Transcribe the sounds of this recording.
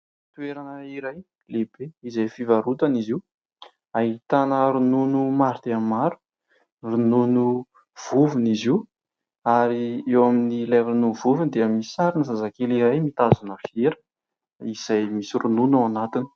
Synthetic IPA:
t̪ueɾanəiɾaj | lebeizajfivaɾut̪aniziw | aɦit̪anəɾununumaɾt̪eamːaɾu̥ | rununu | v̥uvunizi | aɾiewaminilaɾunuvuvund̪eəmisaɾinəzazakeliɾajmit̪azunəfieɾə̥ | iz̥ajmisirununawanat̪ini̥

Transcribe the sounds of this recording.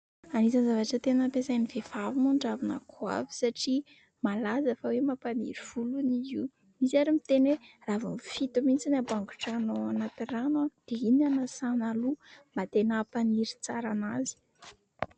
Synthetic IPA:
anizanzavaʈ͡ʂət̪enəpesaniv̥efavimuɳɖ͡ʐavina̰kʰwa̰vi̥saʈ͡ʂi | malazafawemapanḭɾiv̥ulunii | misaɾimit̪enwe | ravamfit̪umint͡sinabaŋɡu̥ʈ͡ʂanoanat̪iranad̪̥einanasanalumat̪enapaniɾit͡saɾanazi̥

